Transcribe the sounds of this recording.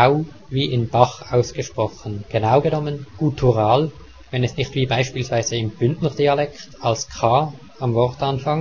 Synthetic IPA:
aʊ | viːʔɪnb̥ɑχaʊsɡ̥əʃpʁ̥ɔχən̩ɡ̥enaʊɡənɔmənɡ̥utʰuʁaːl | vɛnɛsnɪçtv̥iːbaɪʃpiːlsv̥aɪz̥əɪmb̥ʏntnəʁd̥iːɑlɛktɑlskʰɑː | ɑmvɔʁtɑnfɑŋ

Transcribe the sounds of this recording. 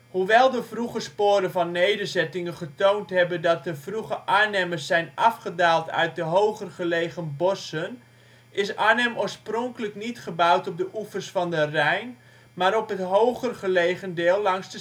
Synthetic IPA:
huʋɛlˠdəvruɣəspoːɾəvɔnːejdəzɛtɪŋəχətowntɦɛbədɔt̚dəvruχəʔaːnɛməsːɛjnʔɑfχədaːlˠtʰœ̰ɥt̚dəɦowɣərɣəleːɣənbɔsən | ʔɪsaːnɛmoːɹsprɔŋkələknitχəbawtɔp̚dəʔufərsfɔndərɛjn | maɾɔpɦətɦowɣərɣəleːɣəndɪːlˠːɑŋsdə

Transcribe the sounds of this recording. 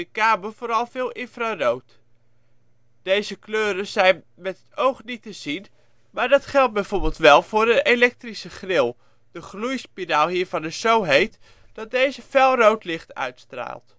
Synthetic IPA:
əkaːməv̥ʊːɾɑlˠvɪːlˠʔɪnfrarowt | d̥ejzəkløːɾəzɛjn | mɛtɦətowχnitəzin | maːɹdɑtχɛlˠd̚bɛjvoːɹbɪlˠtʋɛlˠvʊːrdəelɛk̚trisəχrɪlˠ | d̥əχlujspidaːlˠɦiːɹvɑnəsowɦejt | d̥ɑt̚dejzəfɛlˠrowtlɪχtœ̰ɥtstra̰ːlˠt

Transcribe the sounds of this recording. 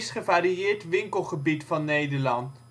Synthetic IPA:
sχəvaːɾiɪːɹtʋɪŋkəlˠχəbitfɑnːejdəɹlɑnt

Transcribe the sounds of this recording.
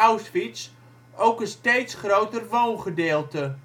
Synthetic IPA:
awsfis | owkənsteːtsχrowtərʋoːnχədeːlˠtə

